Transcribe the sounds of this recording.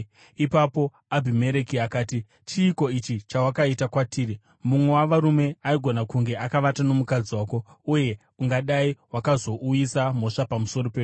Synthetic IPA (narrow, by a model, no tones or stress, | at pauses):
ipapo̞ | abʱime̞ɾe̞kiakaːti | t͡ʃiːko̞it͡ʃit͡ʃawakaitakwatʰiːɾi | mumwe̞waʋaɾume̞aiɡʱo̞nakuŋɡe̞ʔakaʋatano̞mukad͡ziwaːko̞ | uje̞ | uŋɡaɗaiwakazo̞ʔujisam̤o̞ʂapamuso̞ɾo̞peu